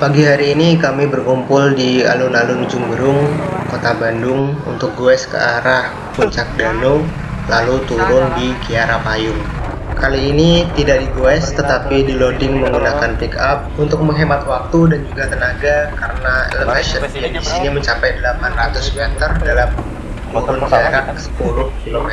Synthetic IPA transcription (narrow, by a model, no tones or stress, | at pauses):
paɡiɦaɾiːnikamibərkumpʊldia̰lunalʊnd͡ʒumbəɾʊŋkot̪abandʊŋṵnt̪ʊk̚ɡuɛskə̰aɾah | puɲt͡ʃak̚dano | lalut̪uɾʊŋdikiaɾapajʊŋ | kaliːnit̪idaʔ̚diɡuɛst̪ət̪apidilodɪŋməŋɡunakanpikap̚unt̪ʊk̚məŋɦemat̪wak̚t̪udand͡ʒuɡat̪ənaɡakaɾənaɛ̰ləfɛʃəjadisiniməɲt͡ʃapajdəlapanrat̪ʊsmɛt̪ərdalam | t̪uɾʊnkiaɾasə̥pulʊhkilomɛ